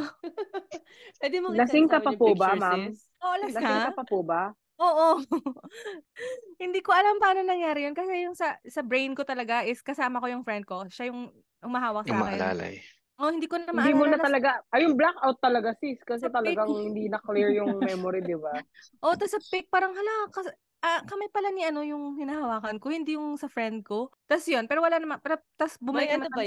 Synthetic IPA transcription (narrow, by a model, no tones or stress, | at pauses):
wɛd̪ɪmolɐsɪŋkɐpɐpobamam | ʔoʔɐlalɐɪaŋkɐpɐpobɐ | ʔoːʔo | hɪnd̪iːkoʔɐlampɐaːnonɐŋjaːɾɪjonkɐsɛjʊŋsɐsɐbɹejnko̞t̪ɐlɐɡaʔɪskɐsaːmɐko̞jʊŋfɾɛnd̪̚ko̞ʃajʊŋ | hʊmɐɦaːwɐk̚saːɐkɛla̰ːla̰j | ʔo̞hɪnd̪iːkonmd̪imuːnɐt̪ɐlɐɡaʔɐjʊŋblakʔawt̪ːɐlɐɡasiskɐs̬ɛt̪ɐlɐɡaŋhɪnd̪inɐkliɹjʊŋmɛmoɾid̪ɪba | ʔo̞t̪ɐsɐpɪk̚paːɾɐŋhɐlakɐs | ʔɐkɐmajpɐlɐniʔɐno̞jʊŋhɪnɐhɐwaːkɐnkohɪnd̪iːjʊŋsɐfɹɛnd̪̚ko̞t̪ɐsjonpɛːɾo̞wɐlanɐmɐnpɛːɾot̪ɐsbʊmɐlɪk̚ɐn